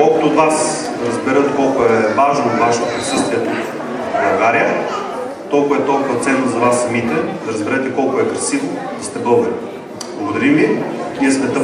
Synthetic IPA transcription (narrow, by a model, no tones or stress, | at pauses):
ɔkɐt̪ʊːd̪vas | ɾɐzbɛɾɤt̪kɔlˠkʊɛvaʒnot̪vaʃɛt̪op̪ɾɐsəst̪vʲiɛt̪ːf | bɐlˠɡaɾiə | t̪ɔlˠkʊvɐɛt̪ɔlˠkʊvɐt̪sɛnːzɐvasːɐmit̪ɛd̪ɐɾɐzbɛɾɛt̪ɛkɔlˠkʊɛkɾɐsivo | ist̪ɛbɤlˠɡəɾi | blˠɐɡod̪ɐɾimviiɐsvɛt̪ə